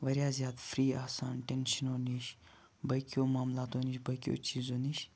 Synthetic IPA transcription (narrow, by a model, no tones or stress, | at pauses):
ʋɐɾʲjaːzʲjaːd̪fɾiːaːsaːnʈenʃənoːniʃ | bɐkjoːmaːmlaːt̪oːniʃbɐkʲjo̰ːt͡ʃʰiːzoːniʃ